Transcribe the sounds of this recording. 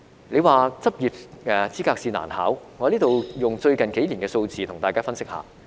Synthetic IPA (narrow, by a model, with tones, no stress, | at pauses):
ne˨˧jwaː˨t͡sɐ˥p̚jiː˨p̚ɛː˨˧t͡siː˥kaː˧k̚siː˧na̰ː˨˩nha̰ː˨˥wŋɔ˨˧liː˥t̪o˨wjʊ˨ŋt͡ʃɵ˧ɥkɐ˨˩nke˨˥jliː˨˩ŋkɛː˧so˧wt͡siː˨t̪ʰʊ˨˩ŋt̪aː˨kaː˥fɐ˥nsɪ˥k̚ha̰ː˨˦